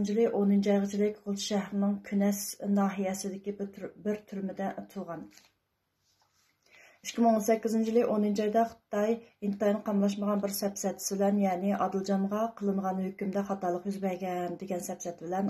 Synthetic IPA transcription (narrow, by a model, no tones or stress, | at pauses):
nt͡ʃʰilˠɪʔonynt͡ʃʰɑjʁət͡ʃʰilɪkʲʁʊlˠʰʃɛhɾɪnɪŋkʲʰynɛʃnɑːɦijɛsɪd̪ɪkʲibɪɾt̪ʰyɾmɪd̪ɛt̪ʰuʁɑn | yʃkʲʰimɪŋonsɛkʲːizɪnt͡ʃʰilɪkʔonynt͡ʃɑjd̪ɑχt̪ɑjint̪ɑjnɨqʰɑmlˠɑʃ̬məʁɑnbɪɾsɛpsɛt̪ʰːɪ̥sɪbɪlɛnjɑːnɪʔɑd̪ɨlˠd͡ʒɑmʁɑqʰəlˠɨɴʁɑnhøkʲymd̪ɛχɑt̪ɑlˠəqjyzbɛɾɡʲɛnd̪eɡʲɛnsɛpsɛt̪ʰbɪlɛn